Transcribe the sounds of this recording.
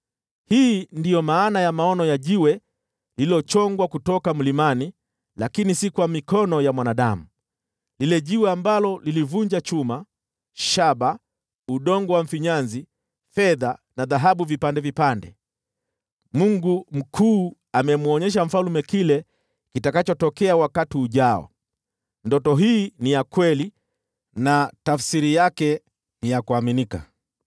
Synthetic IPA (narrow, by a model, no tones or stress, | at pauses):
hiːndijɔmaːnajamaɔnɔjaʄiwɛ | lililɔt͡ʃɔŋɡwakutɔkam̩limani | lakinisikwamikɔnɔjamwanaɗa̰mu | lilɛʄiwɛambalɔlilivuɲd͡ʒat͡ʃuma | ʃaɓa | uɗɔŋɡɔwam̩fiɲanzi | fɛðanaðaɦaɓuvipandɛvipandɛ̰ | muŋɡum̩kʰuː | amɛmuɔɲɛʃ̬am̩falumɛkilɛ | kitakat͡ʃɔtɔkɛawakatiuʄaɔ̰ | ndɔtɔɦiːnijakwɛli | natafsiɾijakɛ | nijakuaminika̰